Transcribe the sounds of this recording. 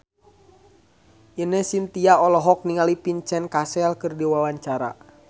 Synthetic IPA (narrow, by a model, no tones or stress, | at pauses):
ʔinəsint̪iaɔlɔɦɔk̚niŋalipiɲt͡ʃɛnkasɛlkɨrdiwawaɲt͡ʃaɾa̰